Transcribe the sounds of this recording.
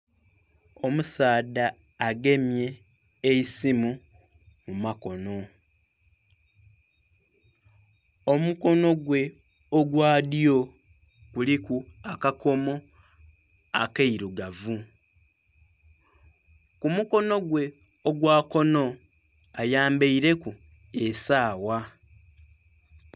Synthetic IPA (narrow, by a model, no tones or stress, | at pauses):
o̞musaːdaːɡe̞mje̞ːisimumumako̞no̞ | omuko̞no̞ɡwe̞ | oɡwaːdjo̞kulikuakako̞mo̞ | akeiɾuɡavu | kumuko̞no̞ɡwe̞oɡwaːko̞no̞ajaːmbeiɾe̞kuesaːwa